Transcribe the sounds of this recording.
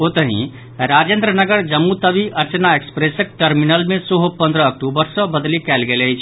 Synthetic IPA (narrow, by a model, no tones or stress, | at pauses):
ot̪əɦḭ̃ | ɾad͡ʒend̪ɾənəɡəɾd͡ʒəmːut̪əbiʔəɾt͡ʃənaekspɾesək̚ʈəɾminəlmesəɦopə̃nd̪ɾəːkʈubəɾsɔ̃bəd̪likɛlɡeləjt͡ʃʰ